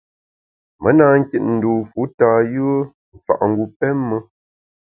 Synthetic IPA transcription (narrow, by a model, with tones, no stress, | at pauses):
mə˨˦na˨ŋ̩˦ki˦t̚n̩˨du˨fu˨˦taː˨jɯ˦ə˦ | n̩˨sa̰˨ʔŋ̩˨ɡu˨pɛ˦mːə˦